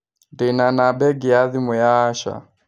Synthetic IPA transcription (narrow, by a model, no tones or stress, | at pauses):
dinanabɛɡijaðimujaːʃa̰